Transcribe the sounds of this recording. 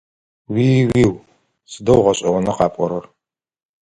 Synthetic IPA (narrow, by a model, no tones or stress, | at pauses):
wiːwiːw | sɨdɐwʁɐɕʼɐʁʷɔnɐqɑːpʼɔɾɐr